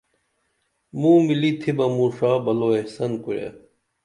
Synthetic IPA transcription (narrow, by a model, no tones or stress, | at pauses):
mũːmilit̪ʰibɐmũːʂaːbɐloːehsɐnkuɾḛ